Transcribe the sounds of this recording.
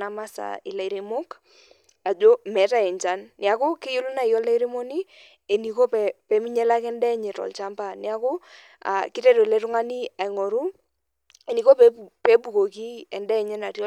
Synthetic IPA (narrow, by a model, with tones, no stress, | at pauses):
na˨ma˦sa̰˨ɪ̰˨la˨i˨ɾe˨mo˦k | a˨d͡ʒo˦mɛ˨˦ta˦˨ɛ˨ɲt͡ʃa˦nːɪ˨a˨ko˦ke˦jo˦lu˦na˦i˨jɔ˦la˦i˦ɾe˦mo˦ni˦ | e˨ni˨ko˦pɛ˨pɛ˨˦mi˦ɲɛ˦la˦kɛ˦ndɛ˦ɲɛ˨tɔ̰˨lt͡ʃa˦mpa˦nɪ˦a˦ko˦ | a̰˨kɪ˦tɛ˦do˨lɛ˨˦tʊ˦ŋa˦ni˦a˨i˨ŋo˨ɾu˦ | e˨ni˨ko˦pe˦pe˦bu˨ko˨ki˦ɛ˨ndɛ˦˨ɲɛ˦na˨tjɔ˦